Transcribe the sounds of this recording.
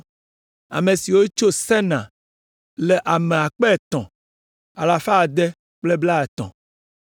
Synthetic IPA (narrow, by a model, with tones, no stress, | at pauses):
a̰˨mẽ˨si˨wo˦t͡ʃo˦sɛ˦nã̰˨ | lɛ˨ʔa˨mẽ˨a˨k͡pɛ˦ɛ˨t̪ɔ̃˨ | a˨la˨fa˦˨d̪ɛ˦ | k͡plɛ˦bla˦ɛ˨t̪ɔ̰̃˨